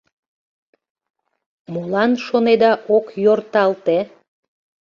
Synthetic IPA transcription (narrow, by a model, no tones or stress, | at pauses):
molɑnʃoned̪ɑʔokjort̪ɑlt̪e